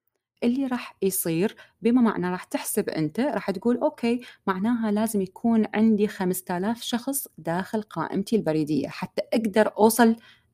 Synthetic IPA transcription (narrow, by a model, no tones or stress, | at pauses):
ʔɪlːiɾˤɑːħjsˤiːɾbimama̰ʕnaɾˤɑːħt̪ɪħsabʔɪ̰nt̪aɾˤɑːħt̪ɡuːlʔoːkʰeːmaʕnaːɦalaːzɪmjakʰuːnʕɪ̰nd̪ixamst̪aːlaːfʃɑxsˤd̪aːxɪlqɑ̰ːʔɪ̰mt̪ilbɑɾiːd̪ɪjːa̰ħat̪ːaʔaɡd̪ɑɾˤʔuːsˤɑl